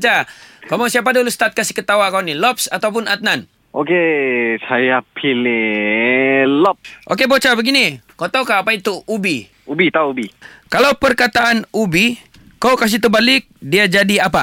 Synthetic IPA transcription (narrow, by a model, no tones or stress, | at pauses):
t͡ʃakamaŋsiap̬adulust̪at̪̚kasi̥kət̪awakawnilɔpsat̪awp̬ʊnat̪̚nan | okesajapʰile | lɔp̚ʔo̰kebot͡ʃabəɡinikot̪awkaapait̪uubi | ubit̪aubikalawpərkat̪aʔanubi | kawkas̬it̪ubalɪk̚diad͡ʒadiapa